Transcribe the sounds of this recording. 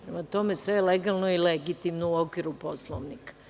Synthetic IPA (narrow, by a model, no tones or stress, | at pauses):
pɾemat̪o̞me̞sʋejeleɡalˠnoileɡit̪imnouokʋiɾuposlˠoʋnikḁ